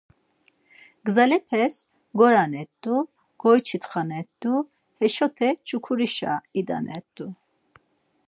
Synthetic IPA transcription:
ɡzalɛpʰɛs | ɡɔɾanɛt̪̚d̪u | ɡ̥ɔjt͡ʃʰit̪χanɛt̪̚d̪u | hɛʃɔt̪ʰɛt͡ʃʰʼukʰuɾiʃa̰id̪a̰nɛt̪ʼːu

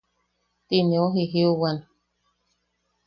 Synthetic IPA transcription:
t̪ineoɦiɦiuwan

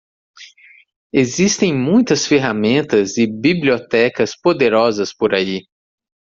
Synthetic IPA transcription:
ezist̪ẽj̃mũj̃t̪ɐsfeɦamẽnt̪ɐzɪbibliot̪ɛkɐspod̪eɾɔzɐspoɾai

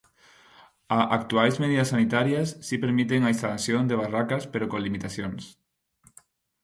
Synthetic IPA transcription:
aʔak̚t̪uajzmeðiðɐsːanit̪aɾjasːipeɾmit̪eŋaist̪asjond̪eβ̞arakaspeɾokonlimit̪aθjons

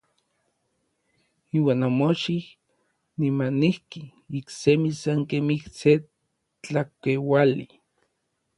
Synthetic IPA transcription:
iːwaːnamoʃih | nimanihki | iksemisaŋkemihse | t͡ɬakewali

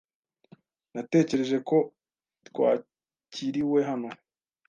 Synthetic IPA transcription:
nate̞ːce̞ɾe̞ʒe̞ko̞ | t̪kwa̰ː | ciɾiwe̞ɦano̞

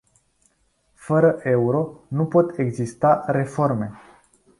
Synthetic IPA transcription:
fəɾəʔe̞uɾo̞nupo̞t̪e̞ɡzist̪aɾe̞fo̞rme̞

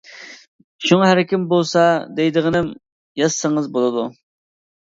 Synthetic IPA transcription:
ʃuŋɑɦæɾɪkʲimbolˠsɑd̪ejd̪əʁənɪm | jɑssəŋəzbolˠɨd̪u

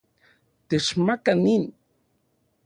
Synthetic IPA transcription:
t̪eʃmakanin

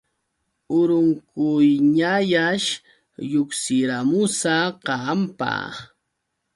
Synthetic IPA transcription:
ʊɾʊŋkʊjɲajaʃ | jʊksɪɾamʊsaqɑmpa̰

